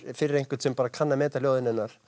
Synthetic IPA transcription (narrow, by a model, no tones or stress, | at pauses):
fɪɾɪɾejŋ̥kvɪɾt̪sɛmpaːɾakʰanːamɛːt̪aljoːwðɪnɪnːaɾ̥